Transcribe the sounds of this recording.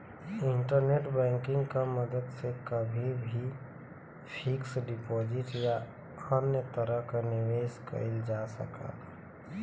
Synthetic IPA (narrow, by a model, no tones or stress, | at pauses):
ɪɳʈəɾneʈbɛ̃ːŋkɪ̃ŋɡkaməd̪əd̪sekəbʱibʱi | pʰɪksɖɪpoːd͡ʒɪʈja | anjət̪əɾəɦkanɪʋeːskə̰ɪld͡ʒasə̰ka̰t̪